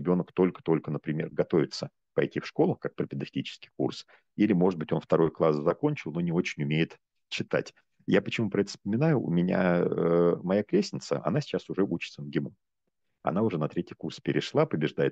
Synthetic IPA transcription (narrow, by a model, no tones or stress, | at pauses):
ɪbʲo̞nəkt̪o̞lʲkə̥t̪o̞lʲkənəpɾʲɪmʲe̞rɡɐt̪o̞vʲɪt̪sə | pɐ̰jtʲifʂko̞lˠəkak̚pɾʲəpʲɪd̪ɐfʲɪlʲit͡ɕɪ̥skʲɪ̥kṵrs | ilʲɪmo̞ʐɨt̪̚bɨtʲo̞nft̪ɐɾo̞jəklˠaszɐko̞nʲt͡ɕɪlˠno̞nʲɪo̞t͡ɕɪnʲʊmʲejɪt̪ | t͡ɕːɪt̪a̰tʲ | japət͡ɕɪmupɾɐɛt̪ə̥spəmʲɪnajʊʔʊ̰mʲɪnʲa̰əmɐjakɾʲesʲnʲɪt̪sə̰ʔɐ̰n̪asʲɪ̥t͡ɕːasʊʐɛʔut͡ɕɪ̥t̪sənɡʲɪmu | ɐ̰n̪aʊʐɛnɐt̪ɾʲetʲjɪkurspʲɪɾʲɪʂlˠapəbʲɪʐd̪ajɪt̪